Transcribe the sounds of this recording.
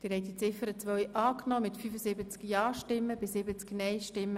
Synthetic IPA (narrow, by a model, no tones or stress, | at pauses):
d̥ɪɾɦɛɪt̪it͡sɪfəɾət͡sʋœjʔɑːknɔːmɪtfyfəzɪbət͡skjɑːʃtɪmːəbɪsɪbət͡sknɛɪʃtɪmːə